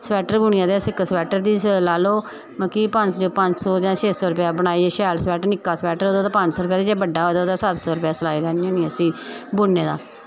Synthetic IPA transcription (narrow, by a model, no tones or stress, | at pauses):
sʋɛːʈəɾbʊɳɪãːd̪eːsɪksʋɛːʈəɾd̪iːslaːloː | məkiːpəɲd͡ʒopəɲd͡ʒsɔːd͡ʒãːt͡ʃʰeːsɔːɾʊpjaːbənaːiːeʃɛːlsɛːʈəɾnɪkːaːsɛːʈəɾɦoːd̪oːt̪aːpəɲd͡ʒsɔːɾʊp̬jaːd̪iːd͡ʒeːbəɖːaːɦoːd̪oːd̪aːsət̪sɔːɾʊpjaːsəlaːiːɾɛːniõːnĩːəsĩːbʊnːeːd̪aː